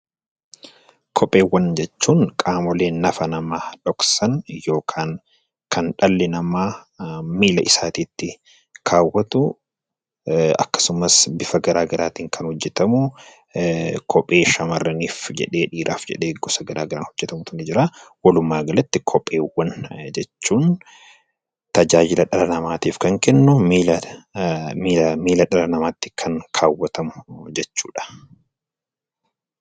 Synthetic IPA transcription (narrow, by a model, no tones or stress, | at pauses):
kʰɔpʼːe̞ːwːɐnd͡ʒɛt͡ʃːuːŋkʼaːmɔleːnːɐfɐnɐmaːᶑɔksɐnjo̞ːkʰaːŋ | kɐnᶑɐlːɪnɐmaː | miːlɐʔɪsaːt̪iːt̪ːɪ | kʰaːwːɐt̪ʊ | ɐ̰kːɐ̥sʊmɐsbɪfɐɡɐɾaːɡɐɾaːt̪iːŋkʰɐnhɔd͡ʒːɛt̪ɐmʊ | kʰɔpʼːe̞ːʃɐmɐrːɐniːfd͡ʒɛ̰ᶑeːᶑiːɾʔa̰ːfd͡ʒɛ̰ᶑeːɡɔsɐɡɐɾaːɡɐɾaːnhɔd͡ʒːɛt̪ɐmʊt̪ʊnɛd͡ʒɪɾawɐlʊmːaːɡɐlɐt̪ːɪkʰɔpʼːeːwːɐnd͡ʒɛt͡ʃːuːn | t̪ɐd͡ʒaːd͡ʒɪlɐᶑɐlɐnɐmaːt̪iːfkɐŋkɛnːʊmː | mːmiːlɐᶑɐlɐnɐmaːt̪ːɪ̥kʰɐŋkʰaːwːɐt̪ɐmʊ̥d͡ʒɛt͡ʃːṵːᶑɐ̥